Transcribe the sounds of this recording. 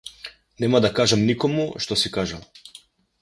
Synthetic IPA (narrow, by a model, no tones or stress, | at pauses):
nɛmad̪akaʒamnikɔmuʃt̪ɔsikaʒalˠ